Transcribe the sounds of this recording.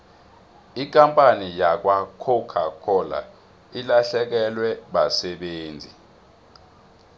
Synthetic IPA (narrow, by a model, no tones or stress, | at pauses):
ikʼampʼanijak̬wakʰɔkʰakʰɔla̰ | ilaɬɛk̬ɛlwɛɓasɛɓeːnd͡zʱi